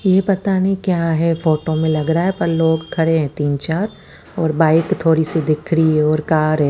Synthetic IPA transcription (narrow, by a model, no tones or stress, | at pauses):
jepɐt̪anɐɦĩkjaːɦɛfoːʈomẽlɐɡɾaaɦɛpɐɾloːɡkʰɐɽeɦɛ̃ːt̪iːnt͡ʃaːɾ | ɔːɾbaːɪkt̪ʰoːɾised̪ɪkʰɾiɛɔːɾkaːɾɦɛː